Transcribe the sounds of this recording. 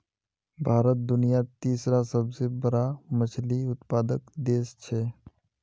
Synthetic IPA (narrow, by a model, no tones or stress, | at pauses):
bʱaːɾət̪̚d̪ʊnijat̪iːsɾasəbsebəɾamət͡ʃʰliʊt̪paːd̪əkd̪eːst͡ʃʰe